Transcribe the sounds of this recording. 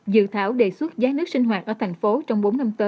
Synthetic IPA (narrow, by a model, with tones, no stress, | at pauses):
zɨ̰˧˨t̪ʰaː˧˩wɗe˨˩swə˦˥t̚zaː˨˦nɨ˦˥ək̚si˧ŋ̟ɦwaː˨˩t̚ʔəː˧˩t̪ʰa˨˩jŋ̟fo˨˦t͡ɕɔ˧wŋ͡mɓo˨˦nːa˧mt̪əː˨˦